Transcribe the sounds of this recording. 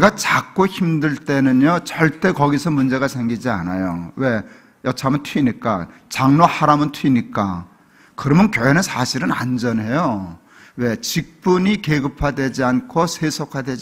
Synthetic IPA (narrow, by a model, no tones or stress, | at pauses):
ɡat͡ɕak̚k͈oçimdɯɭt͈e̞nɯnjot͡ɕʌɭt͈e̞kʌɡisʰʌmund͡ʑe̞ɣasʰe̞ŋɡid͡ʑia̰na̰jowe̞ | jʌt͡ɕʰamɯntʰiɲik͈at͡ɕaŋnohaɾamɯntʰɥiɲik͈a | kɯɾʌmɯnkjoɦenɯnsʰaɕʰiɾɯna̰nd͡ʑʌnɦe̞jo | we̞t͡ɕik̚p͈uɲikeɡɯpʰadwe̞d͡ʑiankʰosʰesʰokʰadwed͡ʑi